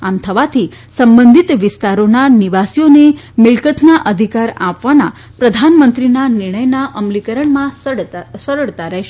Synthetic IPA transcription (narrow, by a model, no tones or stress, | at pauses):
amt̪ʰəʋat̪ʰi | səmbənd̪ʱit̪ʋɪst̪aɾonaniʋasijone | mɪɭkət̪naʔəd̪ʱikaɾa̰pʋana̰ | pɾəd̪ʱanmənt̪ɾinanɪɾɳ̃əjnaʔəmlikəɾəɳmã | səɾəɭt̪aɾəɦʃe